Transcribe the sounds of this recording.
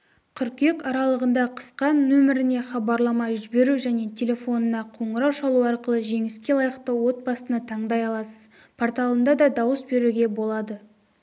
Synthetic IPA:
qʰʏɾkʲe̞kɑɾɑlˠəʁənd̪ɑqʰə̥sqɑnːɵmɪɾɪne̞χɑbɑɾlˠɑmɑʒɪbe̞ɾuʒæne̞t̪ʲʰe̞lʲe̞fo̞nənɑqʰo̞ɴəɾɑwʃɑlˠuɑɾqəlˠəʒe̞ŋɪskʲe̞lˠɑjəqt̪əwo̞t̪̚bɑsənət̪ʰɑɴd̪ɑjɑlˠɑsəz̥ | pʰort̪ɑlˠənd̪ɑd̪ɑd̪ɑwəsbe̞ɾuɡʲe̞bo̞lˠɑd̪ə

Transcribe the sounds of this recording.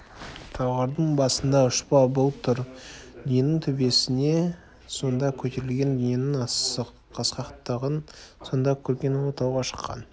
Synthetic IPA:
t̪ʰɑwʁɑɾd̪əɴbɑsənd̪ɑʊʃpɑbolˠt̪ʰʊɾnijnɪŋt̪ʰʏbe̞sɪne̞ | so̞nd̪ɑkʲʰɵt̪e̞ɾɪlɡʲe̞nlijenɪŋɑsəq | qʰɑsqɑqt̪ːəʁənso̞nd̪ɑkʲʰɵɾkʲe̞not̪ɑwʁɑʃə̥qʰːɑ̰n

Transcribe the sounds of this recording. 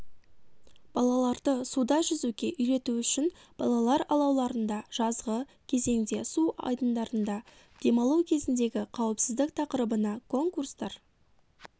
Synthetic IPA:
b̥ɑlˠɑlˠɑɾd̪əsud̪ɑʒʏzukʲe̞ʔʏjɾe̞t̪uʏʃɪnb̥ɑlˠɑlˠɑɾɑlˠɑwlˠɑɾənd̪ɑʒ̥ɑzʁə | kʲʰe̞ze̞ŋd̪e̞suɑ̰jd̪ənd̪ɑɾənd̪ɑ | d̪̥e̞mɑlˠuwkʲʰe̞zɪnd̪e̞ɡʲɪqʰɑwəpsɪzd̪ɪk̚t̪ʰɑqəɾəbənɑkʰo̞ŋkurst̪ɑɾ

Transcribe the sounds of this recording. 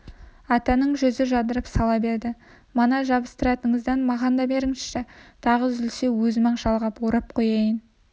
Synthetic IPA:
ɑt̪ɑnəɴʒɵzɪʒɑd̪əɾəpsɑlˠɑbe̞ɾd̪ɪ | mɑnɑʒɑbəst̪əɾɑt̪əɴəzd̪ɑnmɑʁɑnd̪ɑbe̞ɾɪŋʃʃet̪ʰɑʁəzʏlsewɵzmɑɴʃɑlˠʁɑpwoɾɑp̚qʰo̞jɑjən

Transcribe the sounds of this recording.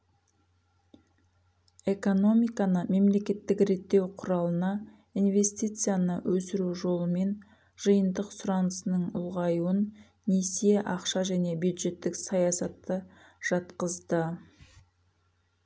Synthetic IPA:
e̞ko̞no̞mijkɑnəme̞mle̞kʲe̞t̪ːɪkɾe̞t̪ːe̞wqʰʊɾɑlˠənɑ | ijnve̞st̪ijt̪sɨjanəwʔɵsɪɾuʒo̞lˠəme̞n | ʒ̥əjənd̪əqsʊɾɑnəsənəɴʊ̰lˠʁɑjuənː | esieʔɑqʃɑʒæne̞bjud̪ʒe̞t̪ːɪksɑjɑsɑt̪ːə | ʒ̥ɑt̪qəzd̪ə

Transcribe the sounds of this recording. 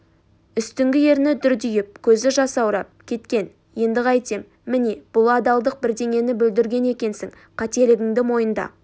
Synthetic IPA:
ʏst̪ɪŋɡʲɪje̞ɾnɪd̪ʏɾd̪ʏjɪp̚kʲʰɵzɪʒɑsɑwɾɑp̚kʲʰe̞t̪kʲe̞n | je̞nd̪ɪʁɑjt̪emːɪne̞b̥ʊlˠɑd̪ɑlˠd̪əq̚bɪɾd̪e̞ŋʲe̞nɪbʏld̪ɪɾɡʲe̞ne̞kʲe̞nsɪŋ | qʰɑt̪e̞lɪɡʲɪŋd̪ɪmo̞jənd̪ɑ̰

